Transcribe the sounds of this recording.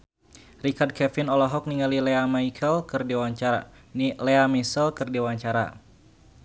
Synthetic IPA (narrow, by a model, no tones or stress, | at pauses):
rikard̚kɛfɪnɔlɔɦɔk̚niŋalileamaikʰəlkɨrdiwaɲt͡ʃaɾa̰ | nileamisəlkɨrdiwaɲt͡ʃaɾa̰